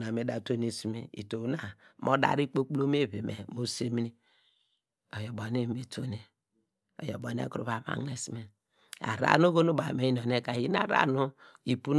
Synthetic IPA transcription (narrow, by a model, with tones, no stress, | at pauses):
na˨me˨˦da˨to˦ni˨si˦mi˦ḭ˨to˨˦na˨mo˦da̰˨ɾi˦k͡po˦k͡plo˦m˦e˦˨βe˨mḛ˨mo˦se˦mi˦ni˦ | o˨jo˨bo˨ne˦˨me˨to˦ne˨ | o̰˨jo˨bo˨n˦ḛ˦ku˦ɾṵ˦βa˨˦ma̰˨ŋne˨si˦me˨ | a̰˨ɾa̰˦no˦ɡo˦nu˦ba˨me˦i˦no˨ne˦ka˨i˦n˦a̰˦˨ɾa̰˦nu˦i˨pu˦n